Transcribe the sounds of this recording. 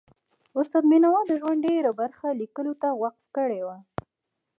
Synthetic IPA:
ʊst̪ad̪minawɑd̪əʒwaɳɖeɾabaɾxalikəlot̪awaq̚t̪kəɽewa

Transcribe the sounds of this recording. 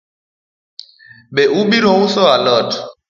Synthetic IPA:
ɓɛʔuɓiɾɔusɔalɔt

